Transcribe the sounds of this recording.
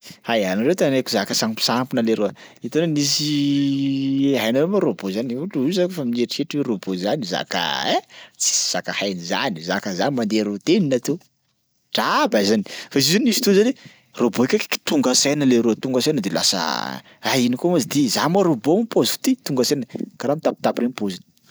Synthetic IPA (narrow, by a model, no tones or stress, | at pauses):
hajanaɾewt̪anekuzakəsampi̥sampinəleɾoəit̪onanis̬i | ɦajnawemaɾobozaniuʈ͡ʂuizankofamineʈ͡ʂieʈ͡ʂiweɾobozaniza̰kə̰ɛt͡si̥z̥akahajniza̰nizakəzanimand̪eɾut̪eninat̪e | ʈ͡ʂabazani̥faizizanimisi̥t̪uzanwe | roboikʲake̥ki̥t̪uŋɡasajnəleɾoət̪uŋɡasajnəd̪ela̰sə̰ | aɦinikomazid̪izamaɾobomipozu̥t̪it̪uŋɡəsajnəkaɾamit̪api̥t̪apɾenpozin